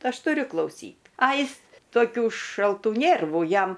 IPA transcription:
ˈɐʃ tʊˈrʲʊ klˠɐʊˈsʲiːt ɐ ˈjɪs toːˈkʲuː ʃɐlˠˈtuː ˈnʲeːrʋʊ ˈjɛm

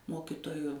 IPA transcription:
ˈmoːkʲɪtoːjʊ

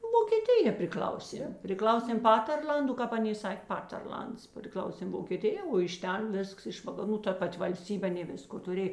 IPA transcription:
ʋoːkʲeːˈtʲɪjɛ pʲrʲɪˈklʲɐʊˌsʲeːm pʲrʲɪˈklˠɐʊsʲeːm ˈpɑːtʲɛrʲˌlʲɐndʊ kɑːp ˈɑːˌnʲeː ˈsɑːkʲeː ˈpɑːtʲɛrʲˌlʲɐnts pʲrʲɪˈklˠɐʊsʲeːm ʋoːkʲeːˈtʲɪjɛ oː ɪʃ ˈtʲɛn ˈʋʲɪsks ɪʃ ʋɐkɐˈruː tɐ ˈpɐtʲ ʋɐlʲˈsʲtʲiːbʲeː ɐˈnʲeː ˈʋʲɪskoː tʊˈrʲeː

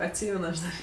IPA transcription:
ɐtʲˈsʲiːmʲɛn ɐʃ ˈdɐr

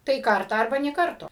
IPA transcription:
tɐɪ ˈkɐrtɑː ɐrˈbɐ nʲeː ˈkɐrtoː

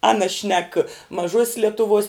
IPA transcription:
ˈɑːnɐ ʃʲnʲɛk mɐˈʒuɔsʲs lʲɛtʊˈʋuɔs

